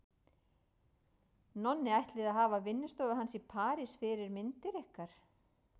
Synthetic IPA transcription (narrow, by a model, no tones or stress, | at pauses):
nɔnːɪajht̪lɪðaðɦaːvavɪnːɪst̪œːɣaɦansipʰaːɾɪsfɪɾɪɾmɪnt̪ɪɾɛhkaɾ̥